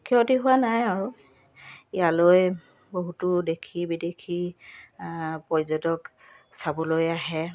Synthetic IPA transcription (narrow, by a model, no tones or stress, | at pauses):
kʰiɔtiɦʊwanajaɹu | ijaloj | boɦutʊdekʰibidekʰi | pɔzɔdɔk | sabɔlojaɦɛ